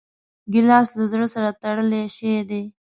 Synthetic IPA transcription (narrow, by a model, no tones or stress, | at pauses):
ɡɪlɑːslazɾəsaɾat̪aɽəleʃed̪e